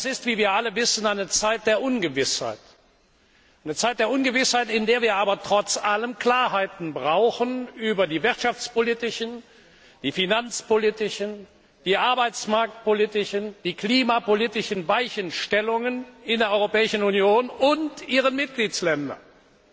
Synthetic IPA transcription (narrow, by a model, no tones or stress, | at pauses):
d̥asɪstv̥iːviːɐʔaləvɪsn̩aɪnət͡saɪt̚d̥eːɐʔʊnɡəvɪsha̰ɪt | ʔaɪnət͡saɪt̚d̥eːɐʔʊnɡəvɪshaɪtɪndeːɐviːɐaːbɐtʁ̥ɔt͡sʔaləmkl̥aːɐɦaɪtn̩bʁaʊxənʔyːbɐdiːvɪʁtʃaft͡spolitɪʃən | d̥iːfinant͡spolitɪʃən | d̥iːʔaɐbaɪt͡smaɐk̚t̚politɪʃənd̥iːkliːmapoliːtɪʃən̩vaɪçənʃtɛlʊŋənɪndeːɐɔʏʁopɛːɪʃn̩unjoːnʊntʔiːʁ̞ənmɪt̚ɡ̥liːt͡slɛndɐ̰n